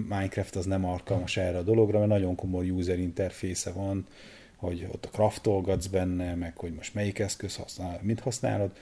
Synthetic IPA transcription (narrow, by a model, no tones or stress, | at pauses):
maːjɲkrɛft̪ɒznɛmɒlkɒlmɒʃɛrːɛːd̪o̞lo̞ɡrɒmɛnɒɟo̞ŋko̞mo̞jːuːzɛɾint̪ɛrfeːsɛvɒn | ho̞ɟo̞̰t̪ːɒ̥krɒft̪olɡɒd̪zbɛnːɛmɛkho̞ɟmo̞ʃt̪mɛjikɛskø̞shɒ̰snːmint̪hɒsna̰ːlo̞d̪